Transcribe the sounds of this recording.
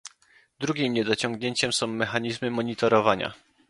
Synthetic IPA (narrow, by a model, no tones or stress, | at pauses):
d̪ɾuɡʲimɲɛd̪ɔt͡ɕɔ̃ŋɡɲeɲt͡ɕɛmsɔ̃w̃ːɛxaɲizmɘmɔɲit̪ɔɾɔvaɲa̰